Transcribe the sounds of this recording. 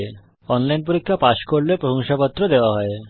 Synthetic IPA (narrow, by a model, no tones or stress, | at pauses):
e | ɔnlajnp̬uɾikʰːapaʃkoɾlepɾoɦoŋʃapɔt̪ːɾɔd̪eoaɦɔe